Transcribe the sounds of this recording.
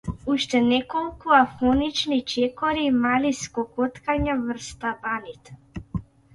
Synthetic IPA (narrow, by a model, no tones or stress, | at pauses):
uʃt̪ɛnɛkɔlˠkuafɔnit͡ʃnit͡ʃɛkɔɾiːmaliskɔkɔt̪kaɲavr̩st̪abanit̪ɛ